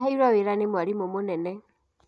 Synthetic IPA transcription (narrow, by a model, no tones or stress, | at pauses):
haiɾaweɾanemwaɾimomonɛnɛ